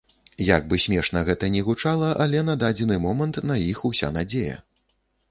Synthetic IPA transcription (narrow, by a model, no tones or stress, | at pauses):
jaɡ̚bɨsʲmʲɛʂnɐɣɛt̪ɐnʲɛɣut͡ʂalˠɐʔɐlʲɛnɐd̪ad͡zʲɛnɨmɔmɐnt̪nɐjixusʲa̰nad͡zʲejɐ̰